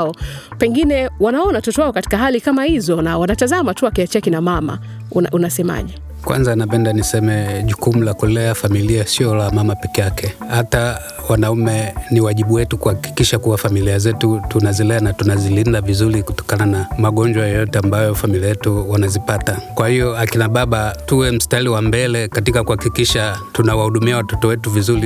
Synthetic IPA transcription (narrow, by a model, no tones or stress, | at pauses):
ɔpɛŋɡinɛwanaɔnatɔtɔwaɔkati̥kaɦalikamahizɔnawanatazamatuakiat͡ʃiakinamama̰ | na̰ʔunasɛma̰ʄɛ | kwa̰nzanapɛndanisɛmɛʄukumulakɔlɛafamiliasiɔlamamapɛkɛjakɛhata | wanaumɛniwaʄiɓuwɛtukuhaki̥kiʃakuwafamiliazɛtutunazilɛanatunazilindavizuliku̥tɔ̥kananamaɠɔɲd͡ʒwajɔjɔtɛambajɔfamiliajɛtuwanazipatakwahijɔakinaɓaɓatuwɛm̩stailiwambɛlɛkatikakuhakikiʃatunawahuɗumiawatɔtɔwɛtuvizuli